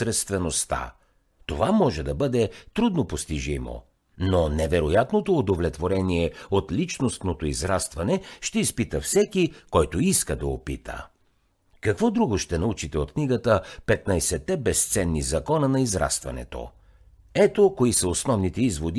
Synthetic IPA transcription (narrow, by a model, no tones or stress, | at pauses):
ɾɛst̪vɛnost̪a̰ | t̪ovamɔʒɛd̪ɐbɤd̪ɛt̪ɾud̪nopost̪iʒimo̰ | nonɛvɛɾojat̪not̪oːd̪ovlɛt̪voɾɛniɛot̪lit͡ʃnost̪not̪oizɾast̪vɐnɛʃt̪ɛispit̪əfsɛkikɔjt̪oiskəd̪ɐopit̪ʰə̰ | kɐkvɔd̪ɾuɡoʃt̪ɛnɐut͡ʃit̪ɛot̪kniɡət̪əpɛt̪nɐjsɛt̪ːɛbɛst̪sɛnːizɐkɔnənɐizɾa̰st̪vɐ̰nɛ̰t̪o̰ | ɛt̪okoisəosnɔvnit̪ɛizvod̪i